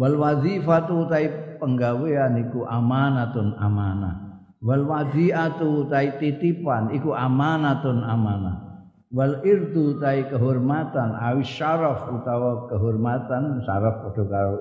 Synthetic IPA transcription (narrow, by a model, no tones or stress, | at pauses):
wɐlwazifat̪ut̪aipəŋɡawijanikuʔamanat̪una̰mana̰ | wɐlwaziat̪ut̪ait̪it̪ipanikuamanat̪unamana̰ | wɐliɾd̪ut̪aikəɦuɾmat̪anawiʃaɾəfut̪awɔkəɦuɾmat̪ansa̰ɾəfpɔtʰuka